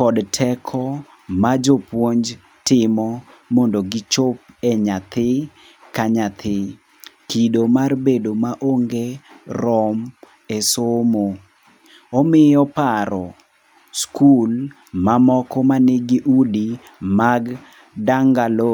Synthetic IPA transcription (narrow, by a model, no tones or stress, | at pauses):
kɔdtʰɛkʰɔ | mad͡ʒopwoɲd͡ʒ | tɪmɔ | mɔndoɡɪt͡ʃop̚ɛɲat̪ɪ | kaɲat̪ʰɪ | kidomarbedomaʔoŋɡeɾɔm | esomo | ɔmɪjɔpaɾɔ | skul | mamɔkɔmanɪɡiʔudi | maɡ | daŋɡalo